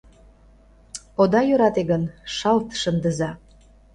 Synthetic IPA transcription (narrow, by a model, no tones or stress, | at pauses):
od̪ɑjøɾɑt̪eɡənʃɑlt̪ʃənd̪əzɑ